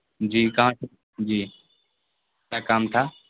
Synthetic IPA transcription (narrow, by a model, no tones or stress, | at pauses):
d͡ʒiːkaã | d͡ʒiː | taːkaːmʈ̪ʰaː